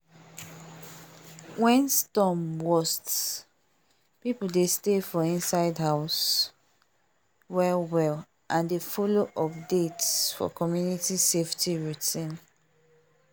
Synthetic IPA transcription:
wɛ̃nstɔ̃mwɔst | pipl̩destefɔĩnsaɪdɦaʊs | wɛlwɛl | ʔãndefɔloʔɔpdetsfɔ̰kɔmjunitiseftʰiɹutĩn

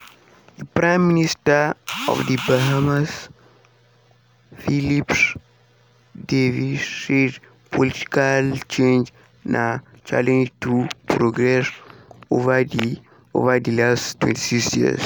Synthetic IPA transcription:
dəpɾãj̃mːinistəɔ̰fdibaɦamas | filips | devised | pʰoliti̥kalt͡ʃẽnd͡ʒ | nʔa | t͡ʃa̰lɛ̃nd͡ʒtupɾoɡɾɛsova | o̰vədilastːwɛ̰̃nti̥siksjḭə̰s

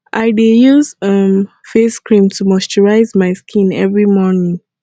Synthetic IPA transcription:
ʔaɪdejuzʌm | feskɹĩmtʰumɔst͡ʃɔɹaɪzmaɪskʰĩnɛvɹimɔnĩŋ

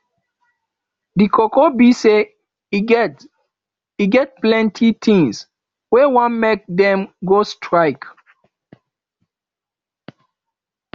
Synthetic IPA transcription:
dikʰɔkɔbise | i | iɡɛt̚plɛ̃ntʰit̪ʰĩŋs | wɛwãnmek̚dɛ̃mɡostʰɹaɪk

